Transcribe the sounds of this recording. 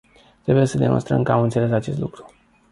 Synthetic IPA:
t̪ɾe̞buje̞səd̪e̞mʔo̞̰st̪ɾə̰mkəamɨnt̪se̞le̞sat͡ʃe̞st̪lukɾu

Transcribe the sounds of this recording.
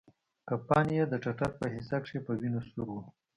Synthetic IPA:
kapɑnjed̪əʈ͡ʂaʈaɾ̚pəɦɪsakʂepəwinosuɾwu

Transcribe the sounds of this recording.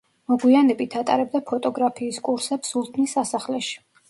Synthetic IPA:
mɔɡwianɛbit̪ʰat̪ʼa̰ɾɛb̚d̪apʰɔt̪ʼɔɡɾapʰiːskʼuɾsɛpsulˠt̪ʰnisːasaχlɛʃi̥

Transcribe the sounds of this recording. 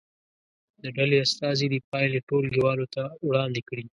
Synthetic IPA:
d̪əɖaleast̪ɑzid̪ipɑjleʈolɡiwɑlot̪awɽɑnd̪ekɽi

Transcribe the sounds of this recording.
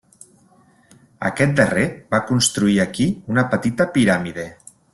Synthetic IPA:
ə̰kɛt̪̚d̪ərebakunst̪ɾuiakiunəpət̪it̪əpiɾamiðe

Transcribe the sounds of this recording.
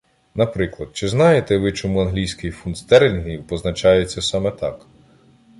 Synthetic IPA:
nɐpɾɪklˠɐd̪̥̚t͡ʃɪznɑjet̪ɛʋɪt͡ʃɔmuɐnɦlʲijsʲkɪjfunst̪ɛɾelʲɦʲiwpɔznɐt͡ʃɑjet͡sʲːɐsɑmɛt̪ɑk

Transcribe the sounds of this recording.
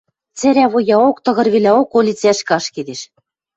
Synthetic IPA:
t͡sɘ̆ɾʲæβojɑokt̪ɤ̆ɣɤ̆rβelʲæokolʲit͡sæʃkɑʃked̪eʃ

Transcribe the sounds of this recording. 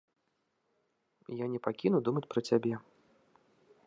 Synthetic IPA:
janʲɛpakʲinud̪umɐt͡sʲpɾɐt͡sʲabʲɛ

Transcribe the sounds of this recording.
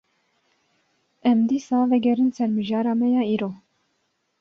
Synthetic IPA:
ɛmd̪iːsɑːvɛɡɛɾɨnsɛɾmɨʒɑːɾɑːmɛjɑːiːɾoː

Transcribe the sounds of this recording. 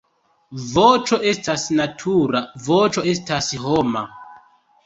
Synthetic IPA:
vot͡ʃo̞ʔe̞stasnatʰuɾavot͡ʃo̞e̞stasɦoma

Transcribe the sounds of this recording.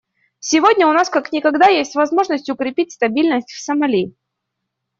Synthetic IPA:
sʲɪvodʲnʲəʊnaskaknʲɪkɐɡd̪ajesʲtʲvɐzmo̞ʐnəsʲtʲʊkɾʲɪpʲit̚ʲst̪ɐbʲilʲnəsʲtʲfsəmɐlʲi

